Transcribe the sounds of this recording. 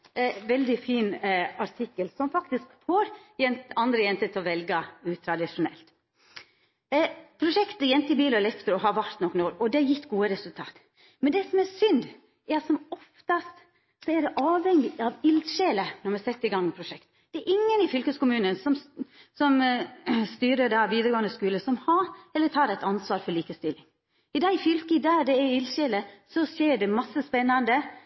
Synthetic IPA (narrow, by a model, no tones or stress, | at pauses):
ʋɛld̪ɪfiːnɑɾʈ̪ʰɪkːəlsɔmfɑkt̪ɪskfoɾjɛnt̪ɑnd̪ɾəjɛnt̪ət̪ʰɪɔʋɛlɡəʉːt̪ʰɾɑd̪ɪʂʊnɛ̰lt̪ | pʰɾʊʂɛkt̪əjɛnt̪ɪbiːlɔlɛft̪əɾɔɦɑʋɑɾt̪nɔkːnoːɾɔd̪ɛjɪt̪ːɡuːəɾɛsʉlt̪ʰɑ̰ːt̪ | mɛnd̪ɛsɔmɛsʏnd̪ | ɛɾɑt̪sɔmɔft̪ɑst̪ | sɔɛɖɛʔɑːʋhɛŋːɪɑʋɪlʃeːlənɔɾmɛsɛt̪ːəɪɡɑŋːpʰɾʊʂɛkt̪d̪̥ɛɛɾʔɪŋːənɪfʏlkəskʊmʉːnənsɔmsɔm | st̪yːɾəd̪ɑʋiːd̪əɾəɡoːənd̪əskʉːləsɔmhɑɛlːət̪ʰɑːɾæɪt̪ɑnsʋɑːɾfɔɭiːkəst̪ɪlɪŋ | ɪd̪æɪfʏlkəd̪æːd̪ɛɛɾɪlʃeːləsɔseːɖɛmɑsːəspɛnːɑnd̪ə